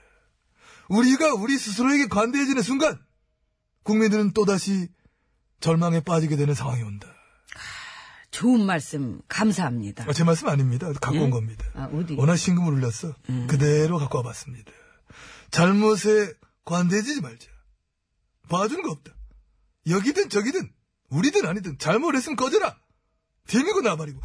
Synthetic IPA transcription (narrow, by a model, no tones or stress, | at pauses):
uɾiɡauɾisʰusʰɯɾoeɡe̞kwande̞d͡ʑinɯns̬ʰuŋɡan | kuŋmindɯɾɯnt͈odaɕʰi | t͡ɕʌɭmaŋe̞p͈ad͡ʑiɡe̞dwe̞nɯnsʰaŋwaŋionda | t͡ɕoɯnmaɭs͈ɯmkams̬ʰaɦamɲḭd̥aat͡ɕe̞maɭs̬͈ɯmaɲimɲidakakk͈onɡʌmɲidaʌnaɕʰinɡɯmɯɾuʎːʌs͈ʌkɯde̞ɾokak͈oabas͈ɯmɲidḁ | t͡ɕaɭmosʰe̞ | kwanded͡ʑid͡ʑimaɭd͡ʑḁ | pad͡ʑunŋɡʌʌp̚t͈ḁ | jʌɡidɯnt͡ɕʌɡidɯn | uɾidɯnaɲidɯnt͡ɕaɭmoɾes͈ɯmkʌdeɾa | temiɡonabaɾiɡo